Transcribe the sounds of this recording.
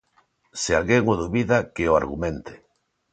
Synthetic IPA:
sɪalɣeŋoðuβiðakeʊa̰ɾɣumẽnt̪ɪ̥

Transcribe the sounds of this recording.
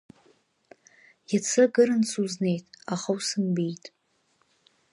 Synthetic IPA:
jat͡sʰɨɡɨɾɨnsʰuzne̞jtʼaχawsɨnbijtʼ

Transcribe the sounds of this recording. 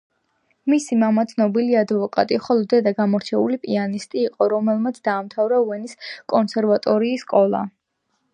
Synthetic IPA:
misimamat̪sʰnɔbiliad̪vɔkʼa̰t̪ʼiχɔlˠɔd̪ɛd̪aɡamɔɾt͡ʃʰɛulipʼianist̪ʼiːqʼɔɾɔmɛlˠmat̪sʰd̪aːmt̪ʰavɾauɛniskʼɔnsɛɾvat̪ʼɔɾiːskʼɔlˠa̰

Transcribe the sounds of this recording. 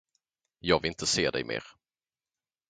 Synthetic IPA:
jɑːɡvɪlɪnt̪əseːd̪ɛ̰jmʔḛːɾ

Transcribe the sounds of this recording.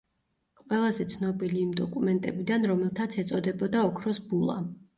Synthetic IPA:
qʼwɛlˠazɛt̪sʰnɔbiliːmd̪ɔkʼumɛnt̪ʼɛbid̪anɾɔmɛlˠt̪ʰat̪sʰɛt̪sʼɔd̪ɛbɔd̪aɔkʰɾɔsbulˠa̰

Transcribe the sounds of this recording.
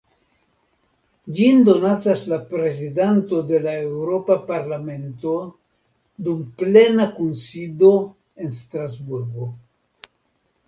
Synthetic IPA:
d͡ʒindo̞nat͡saslapɾe̞zidanto̞de̞lae̞wɾo̞papaɾlame̞nto̞ | dumple̞nakunsido̞ | e̞nstɾazbuɾɡo̞

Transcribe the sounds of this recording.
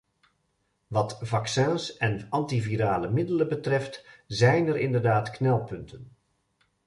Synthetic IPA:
ʋɑtvɑksɛ̃nsɛnɑntiviɾaːləmɪdələbətrɛftzɛjnɛɾɪndərdaːtknɛlˠpɵntʰən

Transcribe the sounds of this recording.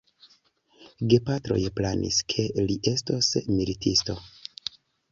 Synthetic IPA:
ɡe̞patɾo̞̰jplanʔḭskʰe̞liʔe̞stosmilitʰisto̞

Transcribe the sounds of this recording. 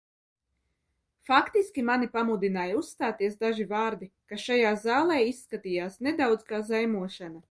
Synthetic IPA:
fakt̪iskʲimanipamud̪inaːjusst̪aːt̪iɛs̬d̪aʒivaːɾd̪ikaʃajaːzaːlˠɛːisːkat̪iːjaːsned̪awd̪z̥kaːzajmuɔʃana

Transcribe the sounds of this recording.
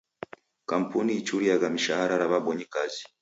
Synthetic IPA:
kampuniit͡ʃuɾijaɡamiʃahaɾaɾaβaboɲikazi̥

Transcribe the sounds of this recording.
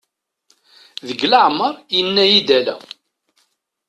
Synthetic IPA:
ðəɡləʕmːəɾˤjənːæjid̪ælæ̰

